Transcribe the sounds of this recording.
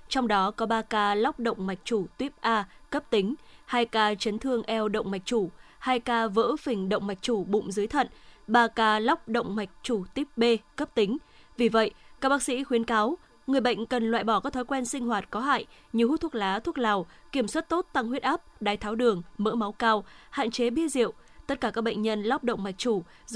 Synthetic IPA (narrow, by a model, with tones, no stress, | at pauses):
t͡ɕɔ˧wŋ͡mɗɔ˨˦kɔ˨˦ɓaː˧kaː˧la˦˥wk͡p̚ɗə̰˧˨wŋ͡mma˨˩k̟̚t͡ɕu˧˩t̪wi˦˥əp̚ʔaː˧kə˦˥p̚t̪ï˨˦ŋ̟haː˧jkaː˧t͡ɕə˨˦nt̪ʰɨ˧əŋʔɛ˧wɗə̰˧˨wŋ͡mma˨˩jk̟̚t͡ɕu˧˩haː˧jkaː˧və̰ː˧˥fï˨˩ŋ̟ɗə̰˧˨wŋ͡mma˨˩jk̟̚t͡ɕu˧˩ɓʊ̰˧˨ŋ͡mzɨː˨˦əjt̪ʰə̰˧˨nɓaː˧kaː˧la˦˥wk͡p̚ɗə̰˧˨wŋ͡mma˨˩jk̟̚t͡ɕu˧˩t̪wi˦˥əp̚ɓe˧kə˦˥p̚t̪ï˨˦ŋ̟ | vi˨˩və̰˧˨jkaː˦˥ɓaː˦˥k̚sḭ˧˥xwi˨˦ənkaː˨˦w | ŋɨ˨˩əjɓə̰˧˨jŋ̟kə˨˩nlwa̰ː˧˨jɓɔ˧˩kaː˨˦˥kt̪ʰɔ˨˦jkwɛ˧nsï˧ŋ̟ɦwaː˨˩t̚kɔ˨˦ɦa̰ː˧˨j | ɲi˨hu˧˦˥t̪ʰu˦˥ək̚laː˨˦t̪ʰək̚laː˨˩wki˧˩əmswa˦˥t̚t̪o˦˥t̚t̪a˧ŋhwi˦˥ət̚ʔaː˦˥p̚ɗaː˨˦jt̪ʰaː˨˦wɗɨ˨˩əŋmə̰ː˧˥ma˨˦wkaː˧wha̰ː˧˨nt͡ɕe˨˦ɓi˧əzḭ˧˨əwt̪ə˦˥t̚kaː˧˩kaː˦˥k̚ɓə̰˧˨ŋ̟ɲə˧nla˦˥wk͡p̚ɗə̰˧˨wŋ͡mma˨˩jk̚t͡ɕu˧˩